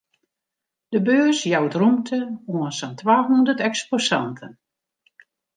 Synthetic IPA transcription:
d̥əbøəsjawdrumtʰəuənsantwaːɦundətɛksposantʰən

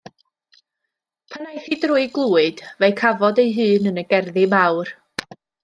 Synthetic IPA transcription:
pʰanajθidrʊɨɡlˠuːɨd̥vejkʰavɔdejɦɨːnənəɡɛrðɪmawr

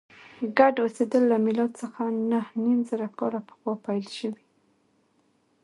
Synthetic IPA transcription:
ɡaɖosed̪əlːamɪlɑt̪səxanahnimzaɾakɑɾapə̥xwɑpajlʃəwi

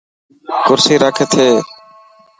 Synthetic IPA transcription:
kʊɾsiːɾaːkʰeːt̪ʰeː

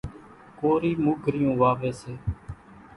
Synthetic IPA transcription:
koːɾiːmʊɡʱɾɪjũːʋaːʋeːseː

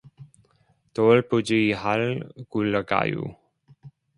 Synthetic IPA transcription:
t̪olpud͡ʒijɦalkuləka̰ːjṵ

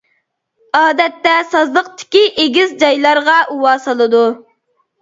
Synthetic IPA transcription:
ɑːd̪ɛt̪ːɛsɑzlˠəq̚t̪ɪ̥kʲiʔeɡʲizd͡ʒɑjlˠɑɾʁɑʔuwɑːsɑlˠɨd̪u

